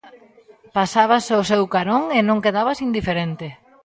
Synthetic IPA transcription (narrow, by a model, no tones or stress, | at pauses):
pasaβasosewkaɾoŋenõŋkeðaβɐsind̪ifeɾent̪ɪ